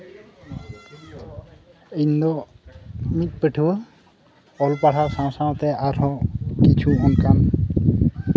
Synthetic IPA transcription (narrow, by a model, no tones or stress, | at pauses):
ind̪ɔ | mit̪̚ˀpəʈʰuwə | ɔlpaʈʰaɾsãw̃saw̃t̪ɛʔaɾɔkit͡ʃʰuɔnkam